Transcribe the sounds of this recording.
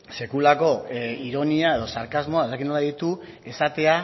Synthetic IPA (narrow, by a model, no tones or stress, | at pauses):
se̞kulako̞iɾo̞niae̞ðo̞saɾkazmo̞aeakinolaðit̪u | e̞sat̪e̞a